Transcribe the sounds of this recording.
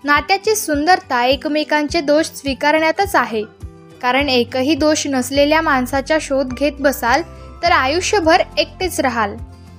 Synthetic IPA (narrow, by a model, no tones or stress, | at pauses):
naʈ̪jat͡ɕesund̪əɾt̪ʰaekmikaɲt͡sed̪oɕsʋikaɾɳjat̪ət͡saɦe | kaɾəɳekəɦiːd̪oɕnəsleljamansat͡ɕjaɕod̪ɡʱet̪̚bəsalt̪əɾajuɕjəbʱəɾek̚ʈ̪et͡sɾaɦal